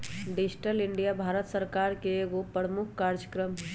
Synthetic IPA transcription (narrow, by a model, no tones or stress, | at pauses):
ɖid͡ʒʈəlɪɳɖijabʱaːɾət̪səɾkaɾkeːɡopəɾəmʊkʰkaɾd͡ʒəkɾəmɦ